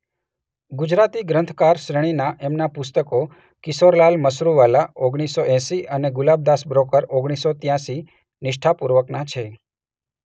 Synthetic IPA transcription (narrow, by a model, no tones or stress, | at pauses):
ɡʊd͡ʒɾat̪iɡɾənt̪ʰkaɾʃɾəɽ̃inaʔɛmnapʊst̪əko | kɪsoɾlalməsɾuʋalaoɡɽ̃isːoʔɛ̃siʔəneɡʊlab̚d̪asbɾokəɾoɡɽ̃isot̪jãsi | nɪʃʈʰapuɾʋəknat͡ʃʰe